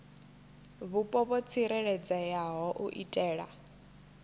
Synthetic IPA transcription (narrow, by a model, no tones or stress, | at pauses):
βupʼɔβɔt͡sʰiɾɛɺɛd͡zajaɦɔʔṵʔitʼɛːɺa